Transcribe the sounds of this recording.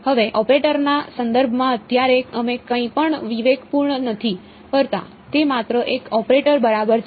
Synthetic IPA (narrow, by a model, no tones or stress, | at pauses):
həʋeʔɔpɾeʈəɾnasənd̪əɾbʱmãət̪jaɾeəmẽkə̃ĩpəɳʋiʋeɡpuɾɳənət̪ʰi | pəɾt̪a̰ | t̪emat̪ɾəʔekɔpɾeʈəɾbəɾabəɾt͡ʃ